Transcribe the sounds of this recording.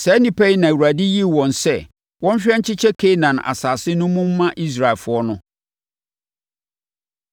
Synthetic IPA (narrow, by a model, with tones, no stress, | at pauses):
sɛ˨˦nĩ˨pʰæ˦i˦nã˨u˨ɾæ˨dɪ˦ji˦˨wɔ̃˨nsɛ˦˨ | wɔ̃˦m˦ɕᶣɛ˦ɲ̩˦t͡ɕʰɪ˦t͡ɕʰɛ˦kʰe˦nã˨na̰˨saː˨sɪ˦nʊ̃˦mũ˦m̩ː˦ã˦ʔi˦s̬ɾa˨e˨lfʊ˦ɔ˦nʊ̃˦